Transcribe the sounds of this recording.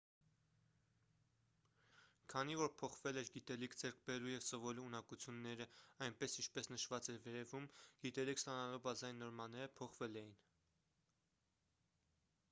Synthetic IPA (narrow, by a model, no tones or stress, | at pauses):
kʰɑnivɔɾpʰɔχvɛlɛɾɡit̪ɛlikʰd͡zɛɾk̚ʰbɛɾujɛvsɔvɔluːnɑkut͡sʰjunːɛɾəɑjnpɛsint͡ʃʰpɛsnəʃvɑt͡sɛɾvɛɾɛvumɡ̥it̪ɛlikʰst̪ɑnɑlubɑzɑjinːɔɾmɑnɛɾəpʰɔχvɛlɛjin